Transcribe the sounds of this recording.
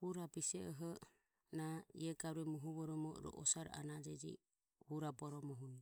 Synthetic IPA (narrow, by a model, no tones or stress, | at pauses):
huɾabisɛɔɦɔ | naḭɛɡaɾuɛmɔɦuβɔɾɔmɔɾɔ̰ʔɔsaɾ̰a̰nad͡ʒɛd͡ʒḭ | huɾabɔɾɔmɔɦuni